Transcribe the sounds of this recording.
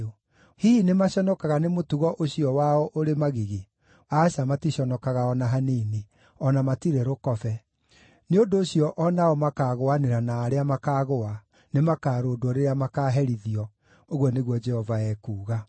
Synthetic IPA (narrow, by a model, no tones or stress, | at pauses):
o | hiːnemaɕɔnɔkaɣanemotuɣɔʔoɕiɔwaɔʔoɾemaɣiɣe | aɕamatiɕɔnɔkaɣaɔnaɦaniːni | ɔnamatiɾɛɾokɔfɛ | neodoːɕijɔʔɔnaɔmakaːɣoaneɾanaːɾeamakaːɣoa | nemakaːɾoːdoɔɾeɾeamakaːɦɛɾiðiɔ | oɣwɔneɣwɔd͡ʒɛhɔvaɛkuːɣa